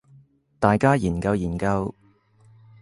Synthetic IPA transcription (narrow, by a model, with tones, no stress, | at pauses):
t̪aː˨jkaː˥jiː˨˩nkɐ˧wjiː˨˩nkɐ˧w